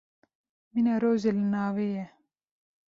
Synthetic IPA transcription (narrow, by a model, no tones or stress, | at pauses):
minaɾoːzelnaːweje